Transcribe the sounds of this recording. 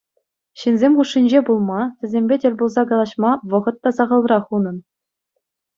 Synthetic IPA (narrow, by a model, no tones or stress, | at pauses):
ɕinzʲemʲχuʂːinʲd͡ʑebulˠmɑtʲɘ̆zʲemʲbʲedʲĕrʲbulˠzɑɡɑlˠɑɕmɑʋɤ̆ʁɤ̆t̪ːɑsɑʁɤ̆lˠrɑχunɤ̆n